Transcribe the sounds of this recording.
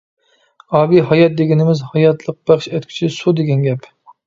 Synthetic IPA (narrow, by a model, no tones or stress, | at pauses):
ɑːbiɦɑjɑt̪̚d̪eɡʲɪnɪmɪzhɑjɑt̪ʰlˠəq̚b̥æχʃɛt̪kʰʲy̥t͡ʃʰisud̪eɡʲɛnɡʲɛp